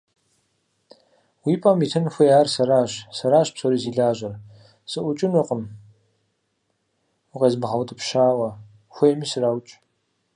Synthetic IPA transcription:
wiːpʼɐmitʰɨnxʷɔjaːrsɐɾaːɕsɐɾaːɕpsoɾiziːɮaːʒʷɐr | sɨʔʷʊt͡ʃʼɪnʊqəm | ʊqeːzmɨʁɐwtʼɨpʃaːwɐ | xʷejmisɨraːwt͡ʃʼ

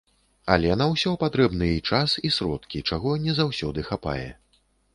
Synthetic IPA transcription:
a̰lʲɛnɐwsʲɔpat̪ɾɛbnɨjɛit͡ʂasisɾɔt̪kʲit͡ʂaɣɔnʲɛzawsʲɔd̪ɨxapa̰jɛ̰

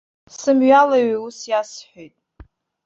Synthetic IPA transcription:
sɨmɥalaɥiusjasħʷojtʼ

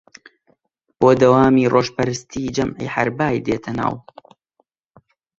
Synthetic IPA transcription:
b̥oːd̪ɐwaːmiːrʔoːʒpɐɾɨst̪ʰiːd͡ʒɐmʕḭːħaɾbaːjd̪eːt̪ʰɐna̰ːw

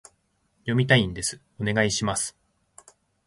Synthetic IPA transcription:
jo̞mʲit̪aĩnd̪e̞sɨ̥ | o̞ne̞ɡaiɕimasɨ̥

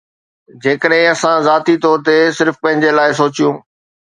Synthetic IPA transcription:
d͡ʑeːkəɗɦɪ̃ɐsãzaːt̪it̪ɔːɾt̪esɪɾfpɐ̃ɦɪ̃ɲd͡ʑelaːɪsoːt͡ɕijũː

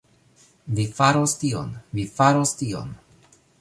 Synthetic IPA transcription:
vifaɾostio̰nvifaɾostio̞̰n

